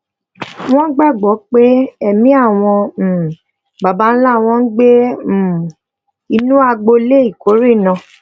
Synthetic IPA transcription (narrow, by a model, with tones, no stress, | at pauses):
w̃ɔ̃˦ɡ͡ba˦˨ɡ͡bɔ˨˦k͡pe˦ɛ˦˨mĩ˨˦a˦˨w̃ɔ̃˧˨ | ba˨ba˦n̩˦la˦˨w̃ɔ̃˦n̩˦ɡ͡be˦˨ | i˧nũ˦a˧ɡ͡bo˧le˦i˦˨ko˨˦ɾi˦˨nã˧˨